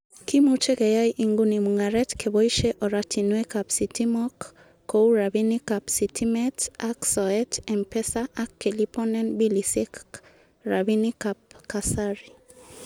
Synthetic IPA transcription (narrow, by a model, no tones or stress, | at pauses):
kimut͡ʃekɛjajʔiŋɡunimuŋaɾɛtkʰebɔiʃeʔɔɾatʰinwekapsitimɔkː | ouɾabinikapsitʰimɛtaksɔɛtɛmpɛsaʔakːelipɔnɛnbilisek | ɾabinikap̚kasaɾi